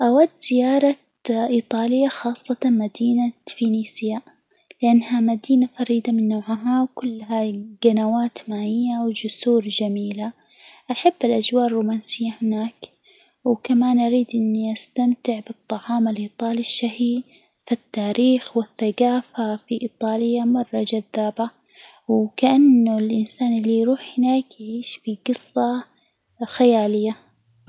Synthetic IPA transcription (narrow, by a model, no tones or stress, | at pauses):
ʔawad̪ːz̥ɪjɑːɾˤɑ | ʔiːt̪ˤɑːlɪjːaxɑːsˤːɑt̪ɑnmad̪iːnafiniːsɪja | lɪʔanːhamad̪iːnafɑɾiːd̪amɪnːaːʕɦawkʊlːɦaɡ̥anawaːt̪maːʕɪjːawd͡ʒʊsuːɾd͡ʒamiːla | ʔaħabːɪlʔad͡ʒwaːʔrˤːuːmaːnsɪjːahɪnaːk | wkamaːnʔaɾiːd̪ʔɪnːiʔast̪amt̪ɪʕbɨt̪ˤːɑʕɑːmalʔiːt̪ˤɑːliʃːahi | fit̪ːaːɾiːxwɪθːaɡaːfafiʔiːt̪ˤɑːljamɑrˤːɑd͡ʒaðːaːba | wkaʔanːʊlʔɪnsaːnɪlːijɾuːħhɪnaːkjɪʕiːʃfiɡɨsˤːɑ | xajaːlɪjːa